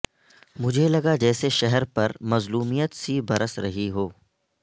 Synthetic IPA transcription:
mʊd͡ʒʱelɐɡad͡ʒɛːseʃɛɦɛɾpɐɾmɐzluːmijət̪sibɐɾəsɾɐ̰ɦiɦoː

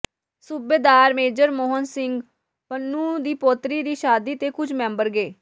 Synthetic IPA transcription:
subeːd̪aːɾmeːd͡ʒəɾmoːɦənsɪŋɡ | pənːũːd̪iːpoːt̪ɾiːd̪iːʃaːd̪iːt̪eːkʊt͡ʃʰmɛ̃ːmbəɾɡeː

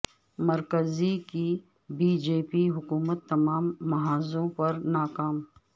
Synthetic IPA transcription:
mɐɾkəziki | biːd͡ʒeːpiɦʊkuːmət̪ːɐmaːmːɐɦaːzõpɐɾnaːkaːm

